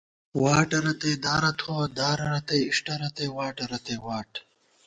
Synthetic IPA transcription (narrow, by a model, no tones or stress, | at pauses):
waːʈɐɾɐt̪ejd̪aːɾɐt̪ʰod̪aːɾɐɾɐt̪ɐjiʂʈɐɾɐt̪eːwaːʈɐɾɐt̪ewaːʈ